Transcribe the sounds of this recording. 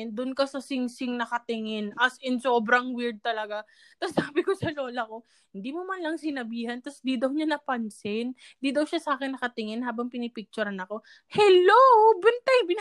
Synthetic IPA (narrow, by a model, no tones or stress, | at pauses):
nd̪ʊnkɐsɐsɪŋsɪŋnɐkɐt̪ɪŋɪnʔɐsɪnsoːbɾɐŋwɪɹd̪̚t̪ɐlɐɡa | t̪ɐsːaːbɪko̞sɐlo̞ːlɐko̞ | hɪnd̪imomɐnlɐŋsɪnɐbiːhɐnt̪ɐsd̪id̪ɐwɲanɐpɐnsɪn | ɪnd̪id̪ɐwʃasɐaːkɛnːɐkɐt̪ɪŋɪnhaːbɐŋpɪnɪpɪk̚t͡ʃʊɾɐnɐko̞ | hɛlobɛnt̪ɐjbɪn